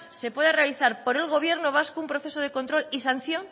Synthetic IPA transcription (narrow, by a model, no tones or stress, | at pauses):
se̞pwe̞ðarealiθaɾpo̞ɾe̞lɣ̞o̞β̞je̞ɾnoβ̞askoumpɾoθe̞soð̞e̞ko̞nt̪ɾo̞lisan̟θjo̞ŋ